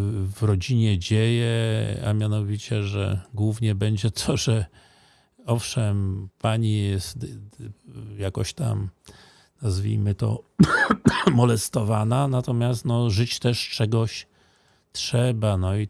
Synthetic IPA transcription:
vɾɔd͡ʑiɲɛd͡ʑejɛa̰mʲjanɔvʲit͡ɕɛ̰ʐɛ̰ɡwuvɲɛbɛɲd͡ʑɛt̪ʰɔʐɛ | ɔfʂɛmpaɲijɛst̪ | jakɔɕt̪a̰m | nazvʲḭjmɘt̪ɔ̰ | mɔlɛst̪ɔvananat̪ɔmʲjast̪nɔʐɘt͡ɕt̪ɛʂt͡ʂɛɡɔɕ | tʂɛbanɔi

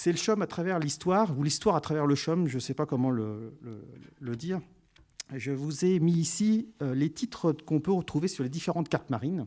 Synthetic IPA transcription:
sɛləʃɔmat̪χavɛʁlist̪waːʁulist̪waʁat̪χavɛʁləʃɔmʒəsɛpakɔmɑ̃lələ̰ləd̪iːʁ | ʒəvuzemiːsiølet̪ʰit̪χəkɔ̃pøʁət̪χuvesyʁled̪ifeʁɑ̃t̪kaʁt̪maʁin

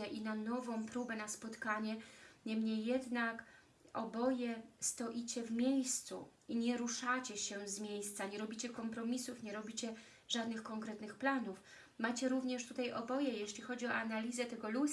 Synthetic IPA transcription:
ɛʔinanɔvɔ̃w̃pɾubɛnaspɔt̪kaɲɛɲɛmɲejːɛd̪nak | ɔ̰bɔjɛst̪ɔʔit͡ɕɛvmʲjejst̪sṵiɲɛɾuʂat͡ɕɛɕɛzmʲjejst̪saɲɛɾɔbʲit͡ɕɛkɔmpɾɔmʲisufɲɛɾɔbʲit͡ɕɛ | ʐad̪nɘxkɔŋkɾɛt̪nɘxplanuf | mat͡ɕɛɾuvɲɛʂt̪ut̪ajʔɔbɔjɛjeɕlʲixɔd͡ʑiɔ̰analʲizɛt̪ɛɡɔlu

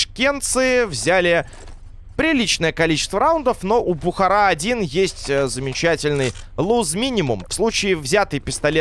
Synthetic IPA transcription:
ʂkʲe̞nt̪sɨvzʲælʲɪ | pɾʲɪlʲit͡ɕnəjəkɐlʲit͡ɕɪ̥st̪vəɾaʊnd̪əfno̞ʔʊbʊxɐɾaɐdʲinjesʲtʲzəmʲɪt͡ɕætʲɪlʲnɨj | lˠuzmʲinʲɪmʊmfslˠut͡ɕɪːvzʲæt̪ɨjpʲɪst̪ɐlʲe

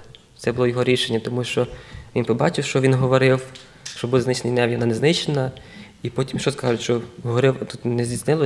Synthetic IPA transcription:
t̪sɛbʊlˠɔjɔɦɔɾʲiʃenʲːɐt̪ɔmuʃt͡ʃɔʋʲinpɔbɑt͡ʃɪwʃt͡ʃɔʋʲinɦɔʋɔɾɪw | ʃt͡ʃɔbud̪znɪt͡ʃnijnɛʋjɐnɑnɛznɪt͡ʃenɐ | ipɔtʲimʃt͡ʃɔskɑʒʊtʃt͡ʃɔɦɔʋɔɾɪwt̪ut̪nezʲdʲit͡s̪ʲnɪlˠɔ

